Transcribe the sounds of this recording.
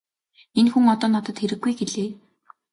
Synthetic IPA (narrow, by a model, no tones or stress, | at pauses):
enxuŋɔt̪ɔːnɔt̪ɞ̆t̪xeɾɘ̆ɡːujɡeɮeː